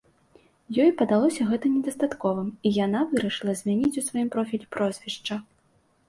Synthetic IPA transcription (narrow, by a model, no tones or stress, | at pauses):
jɔjpɐd̪alˠɔsʲɐɣɛt̪ɐnʲɛd̪ɐst̪at̪kɔvɨmijanavɨɾɐʂɨlˠɐzʲmʲanʲit͡sʲusvajimpɾɔfʲilʲipɾɔzʲvʲɛʂt͡ʂɐ